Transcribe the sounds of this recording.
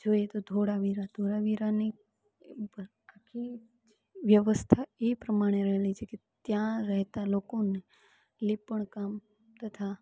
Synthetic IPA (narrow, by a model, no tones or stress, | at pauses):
d͡ʒojet̪od̪ʱoɽaʋiɾad̪ʱoɾaʋiɾani | akʰːi | ʋjəʋəst̪ʰaepɾəmaɽ̃eɾəɦelit͡ʃʰeket̪jãɾəɦt̪alokone | lipəɳkam | t̪ət̪ʰa